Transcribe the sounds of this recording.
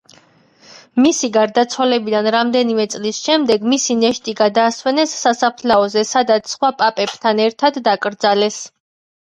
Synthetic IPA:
misiɡaɾd̪at̪sʰwalɛbid̪anɾamd̪ɛnimɛt̪sʼlisʃɛmd̪ɛɡmisinɛʃt̪ʼiɡad̪aːswɛnɛsːasapʰlaɔzɛsad̪at̪sʰsχwapʼapʼɛb̥t̪ʰanɛɾt̪ʰad̪ːakʼɾd̪zalɛs

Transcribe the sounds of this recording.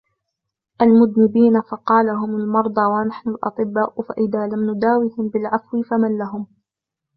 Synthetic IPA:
ʔalmʊd̪nɪbiːnafɑqɑːlaɦʊmalmɑɾˤd̪ˤɑwanaħnʊlʔɑ̰t̪ˤɨbːaːʔfaʔɪðaːlamnʊd̪aːwihɪmbɪlʕafwɪfamanlaɦʊm

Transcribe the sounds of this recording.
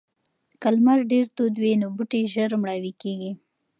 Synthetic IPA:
kalmaɾɖeɾt̪od̪wenobuʈeʒəɾmɽɑwikeɡi

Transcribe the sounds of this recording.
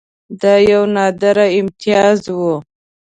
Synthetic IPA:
d̪ɑjawnɑd̪aɾaɪmt̪ijɑzwu

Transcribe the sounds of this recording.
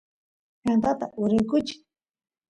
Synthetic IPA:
kant̪at̪a̰ʔʊɾɪjkʊt͡ʃɪ̥

